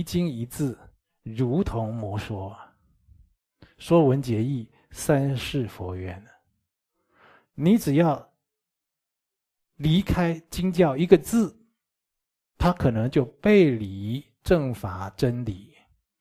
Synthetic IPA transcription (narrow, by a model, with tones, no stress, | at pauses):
t͡ɕi˥ŋi˧˥t͡sɹ̩˥˩ | ɻu˧˥t̪ʰʊ˧˥ŋmwɔ˧˥ʂwɔ˥ | ʂwɔ˥wə˧˦˥nt͡ɕjɛ˧˥i˥˩ | sa˥nʂɻ̩˥˩fɔ˧˥ɥɛ˧˥˦n | ni˧˥ʈ͡ʂɻ̩˨˩jɑ˥˩ʊ | li˧˥kʰa˥ɪt͡ɕi˥ŋt͡ɕjɑ˥˩ʊi˧˥ɡə˧t͡sɹ̩˥˩ | t̪ʰa˥kʰɤ˨˩nɤ˧˥ŋt͡ɕjo˥˧ʊpe˥˩ɪli˧˥ | ʈ͡ʂɤ˥˩ŋfa˨˩˦ʈ͡ʂə˥nli˨˩˦